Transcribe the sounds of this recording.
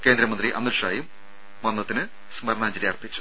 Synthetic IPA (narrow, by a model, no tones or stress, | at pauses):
ke̞ːnd̪ɾɐmɐnd̪riʔɐmiɾʂa̰ːjum | ʋɐnːɐt̪ːinɨ | smɐɾɳaːɲd͡ʑiɾijɐːrpit͡ɕːu̥